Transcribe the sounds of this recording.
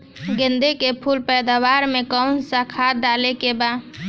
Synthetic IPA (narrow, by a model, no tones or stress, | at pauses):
ɡẽnd̪ekepʰulpɛjd̪aʋaɾmẽkənsakʰat̪̚ɖalekeba